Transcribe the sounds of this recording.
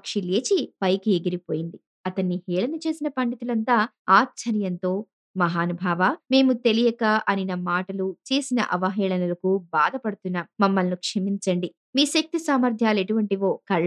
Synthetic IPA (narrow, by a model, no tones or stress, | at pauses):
kʂileːt͡ʃipɐjkieɡiɾipo̞ːjind̪i | ɐt̪ɐnːihɛːɭɐnɐt͡ʃe̞ːsinɐpɐɳɖit̪ulɐnt̪aː | aːtːt͡ʃʰːɐɾjɐnt̪o̞ː | mɐɦaːnubʱaːʋame̞ːmut̪elijɐkaːʔɐninɐmaːʈɐlut͡ʃe̞ːsinɐ̰ʔɐʋɐɦɛːɭɐnɐlɐkubaːd̪ɐpɐɽut̪unːaːmmɐmːɐlnukʂɐmiɲt͡ʃɐɳɖi | miːʃɐk̚t̪isaːmɐɾd̪ʱjaːle̞ʈuʋɐɳʈiʋoːkɐɭ